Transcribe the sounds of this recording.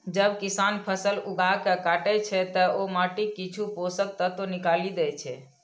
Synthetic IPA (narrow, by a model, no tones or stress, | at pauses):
d͡ʒəbkisanpʰəsəluɡakəkaʈɛt͡ʃʰɛt̪əomaʈikːit͡ʃʰuposək̚t̪ət̪onikalid̪ɛt͡ʃʰɛ